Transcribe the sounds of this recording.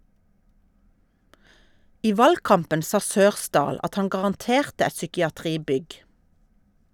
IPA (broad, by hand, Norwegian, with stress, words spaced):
ˈiː ˈʋɑlɡˌkɑmpən ˈsɑː ˈsøːʁˌsdɑːl ˈɑt ˈhɑn ɡɑʁɑnˈteːʁtə ˈɛt sʏkɪɑˈtʁiːˌbʏɡ